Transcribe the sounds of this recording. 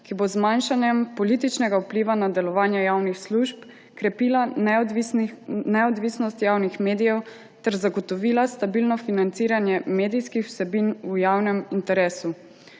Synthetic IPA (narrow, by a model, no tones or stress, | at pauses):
kibozmanʃanjɛmpɔlit̪it͡ʃnɛɡaupliːʋanad̪ɛlɔʋaːnjɛjaːwnixsluʒp | kɾɛpila | nɛɔd̪ʋiːsnɔst̪jaːwnixmeːd̪ijɛw | t̪ɛɾzaɡɔt̪ɔʋiːlast̪abilnɔfinant̪siːɾanjɛmeːd̪ijskixw̥sɛbinujaːwnɛmint̪ɛɾeːsu